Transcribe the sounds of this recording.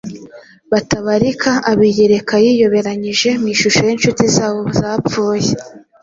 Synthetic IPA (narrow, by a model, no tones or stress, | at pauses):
βataβaɾikʰaaβijeɾe̞kajiːjo̞βe̞ɾaɲiʒe̞miːʃuʃo̞jenʃutizaːβo̞zaːpp͡fuːje